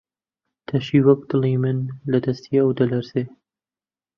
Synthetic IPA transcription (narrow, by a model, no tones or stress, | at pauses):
t̪ʰɐʃiːwɐk̚d̪ɨliːmɨnlɐd̪ɐst̪ʰiɐwd̪ɐlɐɾseː